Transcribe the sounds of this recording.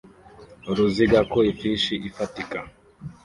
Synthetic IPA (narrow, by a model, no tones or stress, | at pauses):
ɾuziɡakoifiʃiʔifatika